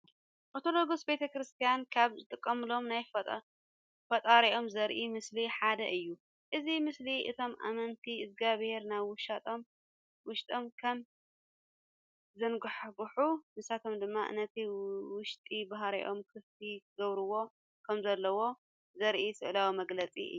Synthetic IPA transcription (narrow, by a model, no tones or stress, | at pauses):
ʔot̪ʰoloɡusbe̞t̪ʰɐkɾɨst̪ʰijankʰaβzɨt̪ʼɨkʼːɐmɨlo̞mnaj | fɐt̪ʼaɾiʔo̞mzɐɾʔimɨsliħad̪ɐʔɨjːu | ʔɨzimɨsliʔɨ̰t̪ʰo̞mʔa̰mɐnt̪ʰiɨzɡaβheɾnajβwʃat̪ʰʼom | wʊʃt̪ʼomkʰɐm | zɐnɡɨħɡħunɨsat̪ʰo̞md̪ɨmːaʔɨ̰nːɐt̪ʰiwʊʃt̪ʼibaɦaɾḭʔo̞mkʰɨft̪ʰiɡɐβɾɨwo̞ | kʰɐmzɐlːɐwo̞ | zɐɾʔisɨʔlawimɐɡlɐt͡sʼḭɨ̰